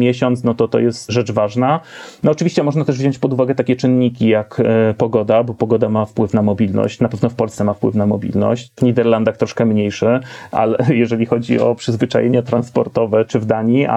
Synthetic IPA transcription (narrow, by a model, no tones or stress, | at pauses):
mʲjɛɕɔnt̪snɔt̪ɔt̪ɔ̰jɛst̪ʐɛt͡ʂvaʐnanɔːt͡ʂɨvʲiɕt͡ɕɛmɔʐnat̪ɛʐvʑɔɲt͡ɕpɔd̪uvaɡɛt̪akʲɛt͡ʂɘnɲikʲijakpɔɡɔd̪abɔpɔɡɔd̪amafpwɘfnamɔbʲilnɔ̰ɕt͡ɕnapɛvnɔfpɔlst̪sɛmafpwɘfnamɔbʲḭlnɔ̰ɕt͡ɕvɲid̪ɛɾland̪axt̪ɾɔʂkɛmɲejʂɘʔa̰lɛjɛʐɛlʲixɔd͡ʑḭɔ̰pʂɘzvɘt͡ʂa̰jeɲat̪ɾanspɔɾt̪ɔvɛt͡ʂɘvd̪aɲia̰